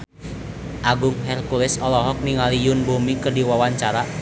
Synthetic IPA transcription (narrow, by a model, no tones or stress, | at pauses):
ʔaɡʊŋɦɛrkulɛsɔlɔɦɔk̚niŋalijʊnbumikərdiwawaɲt͡ʃaɾa